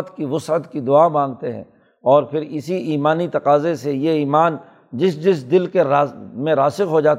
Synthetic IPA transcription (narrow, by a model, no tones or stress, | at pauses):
t̪kiʋʊsət̪kid̪ʊaːbãːŋɡ̚t̪eɦɛ̰̃ː | ɔːɾpʰɪɾɪsiiːmaːnit̪ɐqaːzesejeiːmaːn | d͡ʒɪsd͡ʒɪsd̪ɪlkeɾaːmẽɾaːsɪqɦod͡ʒaːt̪